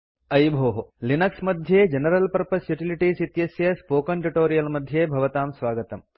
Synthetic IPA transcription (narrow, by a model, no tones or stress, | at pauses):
ɐjbʱoːɦɐlinɐksmɐd̪ʱjeːd͡ʒɐnɐɾɐlpɐɾpɐsjuʈiliʈiːsit̪jɐsjɐspoːkɐɳʈuʈoːɾijɐlmɐd̪ʱjeːbʱɐʋɐt̪aːmsʋaːɡɐt̪ɐm